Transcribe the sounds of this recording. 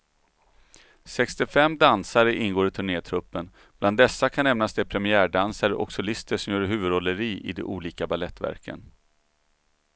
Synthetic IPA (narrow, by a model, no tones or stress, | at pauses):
sɛkst̪ɪfɛmːd̪ansaɾəʔɪnɡoːɾɪt̪ʰɵɳeːt̪ʰɾɵpːən | b̥land̪ːɛsːakʰanːɛmnasd̪ɛpʰɾɛmɪæːɖansaɾəʔɔ̰ksʊlɪst̪əʂɔmjœːɾɦʉ̟ːvɵd̪ɔlːəɾiːʔɪ̰d̪ɛ̰ʔuːliːkabalɛt̪ːvæ̰ɾkʰə̰n